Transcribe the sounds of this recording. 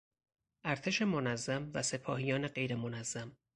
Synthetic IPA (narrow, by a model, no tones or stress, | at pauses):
ʔæɾt̪ʰe̞ʃe̞monæzːæmvæse̞pʰɒːhijɒːne̞ɢe̞jɾe̞monæzːæm